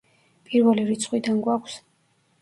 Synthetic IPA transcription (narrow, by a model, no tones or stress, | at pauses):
pʼiɾvɛliɾit̪sʰχwid̪anɡwakʷʰs